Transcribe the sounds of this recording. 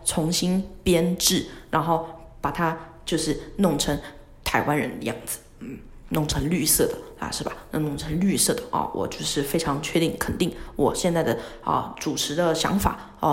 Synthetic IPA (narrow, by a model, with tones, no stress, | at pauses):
t͡sʰʊ˧˥ŋɕi˥npjɛ˥nʈ͡ʂɻ̩˥˩ɻa˧˥nxo˥˩ʊ | pa˨˩t̪ʰa˥ | t͡ɕjo˥˧ʊʂɻ̩˥˩nʊ˥˩ŋʈ͡ʂʰɤ˧˥ŋ | t̪ʰa˧˥ɪwa˥nɻə˧˥nd̪ə˧jɑ̰˥˩ŋd͡zɹ̩˨˩˥ | nʊ˥˩ŋʈ͡ʂʰɤ˧˥ŋly˥˧sɤ˥˩d̪ə˩ɐ̰˧ʂɻ̩˥˩ba˨˩na˥˧nʊ˥˩ŋʈ͡ʂʰɤ˧˥ŋly˥˧sɤ˥˩d̪ə˩ʔə̰˧wɔ̰˨˩t͡ɕjo˥˧ʊʂɻ̩˥˩fe˥ɪʈ͡ʂʰɑ˧˥ŋt͡ɕʰɥɛ˥˧t̪i˥˩ŋkʰə˨˩nt̪i˥˩ŋwʔɔ˨˩ɕjɛ˥˧nt͡sa˥˩ɪd̪ə˩ə̰˧ʈ͡ʂu˨˩ʈ͡ʂʰɻ̩˧˥d̪ə˧ɕjɑ̰˧˥ŋfa̰˨˩˦ | ə˥˩